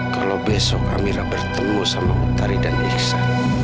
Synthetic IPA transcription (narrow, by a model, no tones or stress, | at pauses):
kalabɛsɔka̰miɾabərt̪əmusaməŋut̪aɾidaniksa